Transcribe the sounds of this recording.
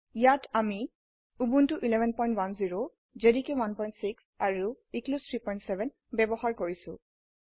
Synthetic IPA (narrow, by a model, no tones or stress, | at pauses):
jatʰami | ubuntuʔilɛbʱɛnpɔj̃ntwanziɹo | zedikewanpɔj̃ntsiksaɹu | iklustʰɹipɔjntsɛbʱɛn | bɛbɔɦaɹkoɹisʊ̰̃